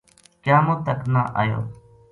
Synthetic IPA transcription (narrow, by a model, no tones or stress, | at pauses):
kjãːmũːt̪əknaːʔa̰ːjo̰ː